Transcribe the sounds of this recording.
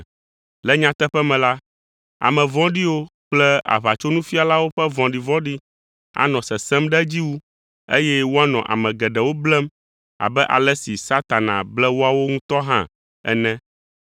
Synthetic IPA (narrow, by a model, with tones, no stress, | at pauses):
lɛ˦ɲã˦t̪ɛ˦ɸɛ˦mɛ̃˨la˦ | a̰˨mɛ̃˨vɔ̃˦ɖi˦wo˦k͡plɛ˦a̰˨βa˨t͡ʃo˦nũ˦fi˦a˨la˦wo˦ɸɛ˦vɔ̃˨ɖi˨vɔ̃˦ɖi˦ | a̰˨nɔ̃˨sɛ˨sɛ˦mɖɛ˦d͡ʑi˦wu˦ | ḛ˦jɛ˦wo˦a˦nɔ̃˨ʔa̰˨mɛ̃˨ɡɛ˨ɖɛ˨wo˦blɛ˦m | a̰˨bɛ˦ʔa̰˨lɛ˦si˨sa˦t̪a˨nã̰˨blɛ˦wo˦a˦wo˦ŋũ˦t̪ɔ˦ɦã̰˦ | ɛ̰˦nɛ̃˦